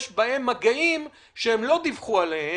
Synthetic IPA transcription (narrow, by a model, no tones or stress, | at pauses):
ʃbae̞mːaɡaim | ʃeemlo̞d̪ivχualehe